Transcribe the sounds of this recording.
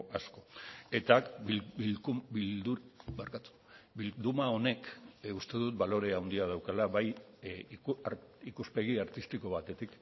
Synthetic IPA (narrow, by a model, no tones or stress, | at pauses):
ʔasko̞e̞t̪ak | bild̪ubeɾkat̪u̥ | bild̪umao̞ne̞kust̪e̞ðut̪̚balo̞ɾe̞awnd̪iaðawkalaβaj | ikuspe̞ɣiaɾt̪ist̪iko̞β̞at̪e̞t̪ik